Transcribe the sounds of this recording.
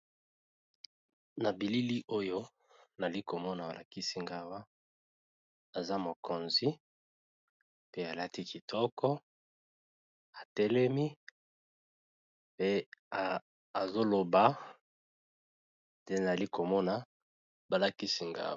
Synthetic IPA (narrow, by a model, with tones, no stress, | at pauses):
na˨bi˨li˦li˦ʔo˦jo˦ | na˨li˦ko˨mɔ˦na˨ba˨lʔa˨ki˦si˦ŋɡa˦wa˦ | a˨za˦mo˨ko˨nzi˦ | pe˦a˨la˦ti˦ki˨tʰɔ˦kɔ˦ | a˨tɛ˦lɛ˦mi˦ | pe˦a˨ | a˨zo˦lo˨ba˨˦ | de˦na˨li˦ko˨mɔ˦na˨ | ba˨la˨ki˦si˦ŋɡa̰˦